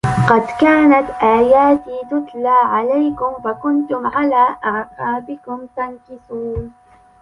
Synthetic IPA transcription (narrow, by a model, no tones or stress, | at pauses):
qɑd̪kaːnat̪ʔaːjaːt̪iːt̪ʊt̪laːʕalajkʊmfakʊnt̪ʊmʕalaːʔaʕqɑːbɪkʊmt̪ankɪsuːn